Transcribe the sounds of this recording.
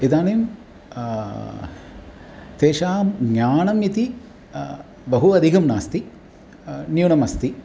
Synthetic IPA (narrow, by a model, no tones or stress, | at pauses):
id̪aːnim | t̪eːʃaːmɲɲaːnɐmit̪i | bɐɦuɐd̪ʱiɦɐmnaːst̪i | njuːɳɐmɐst̪i